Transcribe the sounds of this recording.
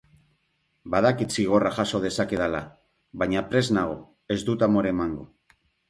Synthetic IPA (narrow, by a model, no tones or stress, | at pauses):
baðakit̪siɣ̞o̞raʝaso̞ð̞e̞sake̞ðala | βaɲapɾe̞znaɣ̞o̞ | e̞zd̪ut̪amo̞ɾemaŋɡo